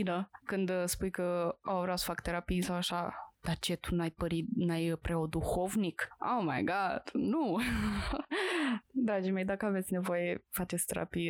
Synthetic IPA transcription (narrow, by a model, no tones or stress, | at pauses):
inəkɨnd̪spujkəawvɾaw̪sfakt̪e̞ɾapijsawaʃad̪̥at͡ʃe̞t̪unajpəɾinajpɾeo̞d̪uxo̞vnikowmajɡɑd̪̥nu | d̪ɾad͡ʒimʲe̞jd̪akəave̞t̪sʲne̞vo̞jefat͡ʃest̪eɾʔa̰pij